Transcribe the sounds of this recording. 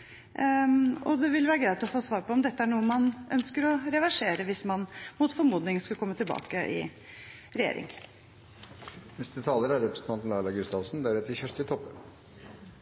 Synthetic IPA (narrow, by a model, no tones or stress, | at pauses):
ɔd̪ɛʋɪlʋæːɾəɡɾæɪt̪ɔfoːsʋɑːɾpʰɔɔmd̪ɛt̪ːəæɳuːəmɑnʔœ̰nskəɾɔɾɛʋæʂeːɾəʋɪsmɑnmʊt̪fɔɾmuːd̪nɪŋskɑlkʰɔmːət̪ʰɪlbɑ̰ːkəʔɪ̰ | ɾɛjḛːɾɪ̰ŋ | nɛst̪ət̪ʰɑːləɾæɾɔpst̪mɑnt̪mlɑːɭɑɡʉst̪ɑlsnd̪æɾɛt̪ːəçœʂt̪ɪt̪ʰɔpːə